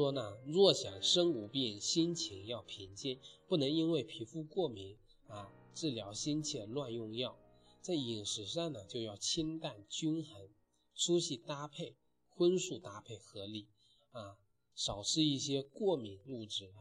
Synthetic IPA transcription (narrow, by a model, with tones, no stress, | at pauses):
wɔ˥nə˧ɻwɔ˥˩ɕjɑ˨˩ŋʂɤ˥ŋu˨˧˩pjɛ˥˩nɕi˥nt͡ɕʰi˧˥ŋjɑ˥˩ʊpʰi˧˥ŋt͡ɕi˥˩npu˥˩nɤ˧˥ŋi˥nwe˥˩ɪpʰi˧˥fu˥˧kwɔ˥˩mi˧˥ŋ | a˧ʈ͡ʂɻ̩˥˩ljɑ˧˥ʊɕi˥nt͡ɕʰjɛ˥˩lwa˥˧njʊ˥˧ŋjɑ˥˩ʊ | t͡sa˥˩ɪi˨˩ŋʂɻ̩˨˩˥ʂ̬ɑ˥˩ŋnə˩t͡ɕjo˥˧ʊjɑ˥˩ʊt͡ɕʰi˥nt̪a˥˩nt͡ɕy˥nxə˧˥n | ʈ͡ʂʰu˥ɕi˥˩t̪a˥pʰe˥˩ɪ | xwə˥nʂu˥˩t̪a˥pʰe˥˩ɪxɤ˧˥li˨˩˦ | a˥˧ | ʂɑ˨˩ʊʂɻ̩˥˧i˥˩ɕjɛ˥kwɔ˥˩mi˧˥ŋlu˥˧ʈ͡ʂɻ̩˥˩